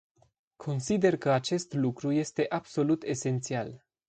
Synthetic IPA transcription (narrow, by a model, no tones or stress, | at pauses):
kʰo̞nsid̪e̞rkəat͡ʃe̞st̪lukɾuje̞st̪e̞ʔab̥so̞lut̪e̞se̞nt̪sial